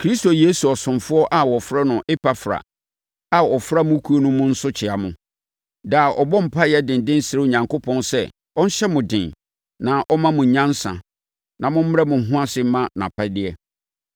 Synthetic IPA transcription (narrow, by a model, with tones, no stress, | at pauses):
kʰɾi˦sto˨je˦su˨ɔ˨sʊ̃˨mfʊ˦ɔ˦ʔa˦wɔ˨fɾɛ˦nʊ̃˨ʔe˦pa˨fɾa̰˨ | a˨ɔ˨fɾa˦mʊ̃˦kʰu˦o˦nʊ̃˦mʊ̃˦n̩˦sʊ˦t͡ɕʰɪ˨a˨mʊ̃˨ | daː˨ʔɔ˨bɔ̃˦m̩˨pʰa˦jɛ˦dɪ̃˨n˨dɪ̃˦n˦sɪ˨ɾɪ˦o˨ɲã˨ŋko˦pʰɔ̃˦nsɛ̰˦ | ɔ˦n̩˦ɕɛ˦mʊ̃˨dɪ̃˨n | nã˨ʔɔ˦mã˦mʊ̃˨ɲã˦n˦sã̰˨ | nã˨mʊ̃˦m̩˦m˦ɾɛ˦mʊ̃˨˦ɦʊ̃˦a˦sɪ˦m˦mã˦nã̰˨pʰa˦dɪ˦ɛ˦